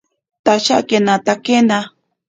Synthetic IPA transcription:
t̪at͡ʃa̰kenãt̪akenã

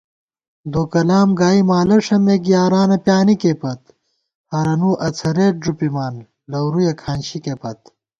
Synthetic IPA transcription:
d̪oːkɐlaːmɡaːimaːlɐʂɐmekjaːɾaːnɐpjaːnikepɐt̪ | hɐɾɐnuːʔɐt͡sʰɐɾeːʈ̚ʐupimaːn | lɐwɾujɐkʰaːnɕikepɐt̪

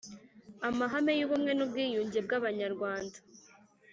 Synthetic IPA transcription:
amaɦame̞juβumŋe̞nub̚ɡiːjuːɲɟe̞b̚ɡaβaɲaɾɡwaːndḁ

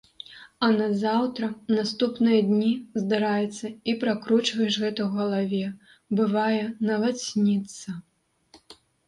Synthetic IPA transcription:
ɐnɐzawt̪ɾɐnast̪upnɨjɐd̪ʲnʲizd̪aɾajɛt̪sːɐipɾakɾut͡ʂvɐjɛʂɣɛt̪ɐwɣɐlˠavʲɛ | bɨvajɛnɐvat̪sʲnʲit̪sɐ

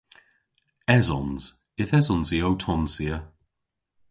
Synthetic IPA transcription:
ɛzɔnz̥ | ɪθɛzɔnziowtʰɔnsiə

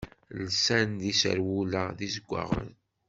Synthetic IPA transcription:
lsænd̪isə̰ɾwulaðizəɡʷːa̰ʁə̰n

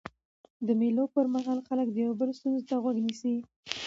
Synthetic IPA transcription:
d̪əmelopəɾmaɦɑlxalək̚d̪əjawabəlost̪unzot̪aɣwaɡnisi

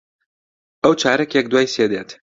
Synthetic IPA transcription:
ɛwt͡ʃʰaːɾɛkjɛk̚d̪waːjsjed̪eːt̪

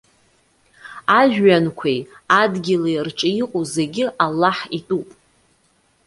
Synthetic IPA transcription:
aʒᶣɥankʷʰej | adɡʲɪlerʈ͡ʂʼɨiqʼuze̞ɡʲɪʔalːaħitʼupʼ

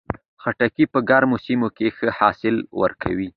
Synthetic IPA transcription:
xaʈakipəɡaɾmosimokexəhɑsɪlwə̰ɾkʰa̰wi

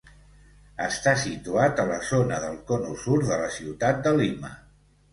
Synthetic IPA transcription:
əst̪asit̪uat̪ələzonəðəlˠkɔnusuɾðələsiwt̪at̪̚d̪əlimə̰

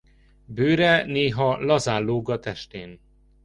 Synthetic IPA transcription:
bøːɾɛneːɦɒlɒzaːlːoːɡɒt̪ɛʃt̪eːn

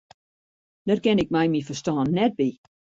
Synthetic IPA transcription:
d̥ɔtkɪnɪk̚mɛjmifəstɑːnːɛt̚bi

